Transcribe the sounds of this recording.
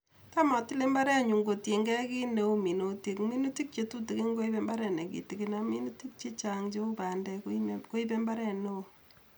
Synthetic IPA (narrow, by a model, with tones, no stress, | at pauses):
ta˦ma˨ti˦le˦mba˦ɾɛ˦a˨ɲu˨ŋɡo˨tje˨ŋɡɛ˦ki˦ne˦o˦mi˨no˨ti˨kmi˦nu˦ti˦k̚t͡ʃe˨tu˦ti˨ki˦ŋɡo˦i˦pe˦mba˦ɾɛ˨ne˨kḭ˨ti˨ki˨˦na˦mi˦nu˦ti˦k̚t͡ʃe˦t͡ʃa˨ŋt͡ʃe˦u˦pa˨ndɛ˨kko˦i˦pe˦mba˦ɾɛ˦˨ne˦o˨